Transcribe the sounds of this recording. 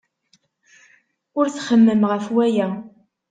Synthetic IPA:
ʊɾθχəmːəmʁəfwæjæ

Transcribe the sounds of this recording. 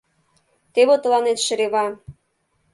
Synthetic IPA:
t̪eβot̪ə̆lɑnet̪ʃə̆ɾeβɑ

